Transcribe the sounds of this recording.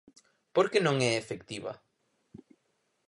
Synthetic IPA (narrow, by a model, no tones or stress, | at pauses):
poɾkenõŋɛefekt̪iβɐ̰